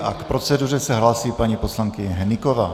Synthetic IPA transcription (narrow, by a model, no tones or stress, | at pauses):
ʔakpɾo̞t͡sɛdur̝ɛsɛɦlaːsiːpaɲipo̞slaŋkɪɲɛɦɛnɪkovaː